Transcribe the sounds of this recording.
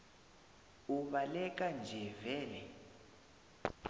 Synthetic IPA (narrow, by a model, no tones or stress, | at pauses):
uβalɛkʼand͡ʒʱɛvɛːlɛ